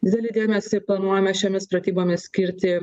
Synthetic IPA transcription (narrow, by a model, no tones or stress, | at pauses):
d̪ʲɪd̪ʲɛlʲɪd̪ʲeːmʲɛsʲɪplˠɐnuɔjomʲɛʃʲoːmʲɪspɾɐt̪ʲiːboːmʲɪssʲkʲɪɾʲt̪ʲɪ